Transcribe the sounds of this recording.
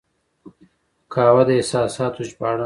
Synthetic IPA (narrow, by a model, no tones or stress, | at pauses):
kʰaːwɐd̪ɐesaːsaːt̪ut͡ʃpaːɽa